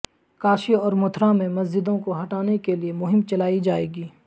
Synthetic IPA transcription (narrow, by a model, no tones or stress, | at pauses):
kaːʃiɔːɾmʊt̪ʰɾãmẽmɐzd͡ʒɪd̪õkoɦɐʈaːnekeliemʊɦɪmt͡ʃɐlaːid͡ʒaːeːɡiː